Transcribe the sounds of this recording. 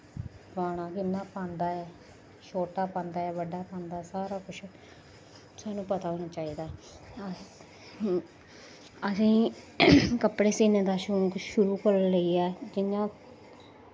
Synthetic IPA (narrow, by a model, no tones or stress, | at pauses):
paːɽ̃aːkɪnːãːpãːnd̪aːɛː | ʃʰoːʈaːpãːnd̪aːɛːʋəɖaːpãːnd̪aːɛsaːɾaːkʊt͡ʃʰ | saːnũːpət̪aːɦoːnaːt͡ʃaːiːd̪aː | əsĩː | kəpɽeːsiːnẽːd̪aːʃonũːkʃʊɾuːkəɾləiːɛːd͡ʒɪnãː